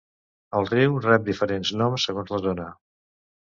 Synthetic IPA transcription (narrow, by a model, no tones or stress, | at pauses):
əlˠriwrɛp̚d̪ifəɾenznɔmsːəɣonzləðonə